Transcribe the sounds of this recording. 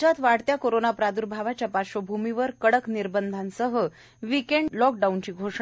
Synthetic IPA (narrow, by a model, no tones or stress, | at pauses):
d͡ʑat̪ʋaɽt̪jakoɾonapɾad̪uɾbʱaʋat͡ɕjapaɕobʱumiʋəɾkəɽəkniɾbənd̪ʱansəɦə | ʋikeɳɖlɔk̚ɖaunt͡ɕiːɡʱoʂ